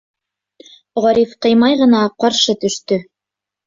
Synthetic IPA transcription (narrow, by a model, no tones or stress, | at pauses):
ʁɑɾifqɤ̆jmɑjʁɤ̆nɑqɑɾʃɤt̪ɵ̆ʃt̪ɵ